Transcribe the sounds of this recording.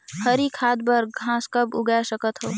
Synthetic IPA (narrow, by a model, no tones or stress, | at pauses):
həɾikʰaːd̪bəɾɡʱãːskəbʊɡasəkət̪ɦoː